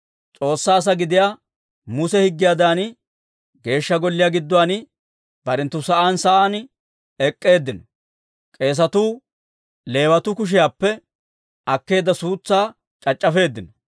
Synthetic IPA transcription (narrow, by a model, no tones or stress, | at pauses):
t͡sʼo̞ːsːaːs̬ɐɡɪd̪ɪjaː | mʊsɛhɪɡːɪjaːd̪aːn | ɡe̞ːʃːɐɡɔlːɪjaːɡɪd̪ːɔwaːn | bɐɾɛnt̪ːʊsɐʔaːnsɐʔaːn | ɛkʼːe̞ːd̪ːɪnɔ | kʼe̞ːs̬ɐt̪uː | le̞ːwɐt̪ʊkʊʃ̬ɪjaːpːɛ | ɐkːe̞ːd̪ːɐsuːt͡sːaː | t͡ʃʼɐt͡ʃʼːɐfe̞ːd̪ːɪnɔ